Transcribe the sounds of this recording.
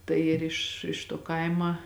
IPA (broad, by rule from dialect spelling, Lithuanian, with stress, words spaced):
ˈtɐɪ ɪr ɪʃ ɪʃ tuɔ ˈkɐɪmɐ